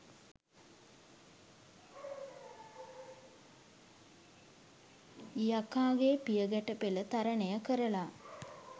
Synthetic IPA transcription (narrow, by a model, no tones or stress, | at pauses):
jakaːɡepijəɡæʈəpelət̪aɾənejəkəɾəla